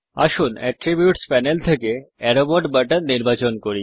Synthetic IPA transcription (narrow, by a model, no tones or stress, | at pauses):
a̰ʃunɛ̰ʈɾibjuʈspɛnelt̪ʰekeɛɾoboʈbaʈanniɾbat͡ɕonkoɾi